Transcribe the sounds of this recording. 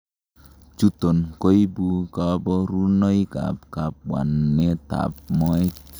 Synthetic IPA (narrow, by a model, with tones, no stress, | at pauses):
t͡ʃu˦to˨nko˦jbu˦ka˦bɔ˦ɾu˦no˦jka̰˨p̚ka˨p̚wa̰˨nːe˦ta̰˨p̚mɔ˦e˦